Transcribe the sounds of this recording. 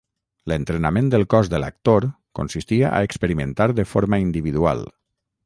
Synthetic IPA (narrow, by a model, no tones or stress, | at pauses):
lənt̪ɾenamẽnd̪əlˠkɔzðələk̚t̪oɾ | ko̰nsist̪iəʔa̰əkspəɾiment̪aɾðəfoɾməind̪iβiðua̰lˠ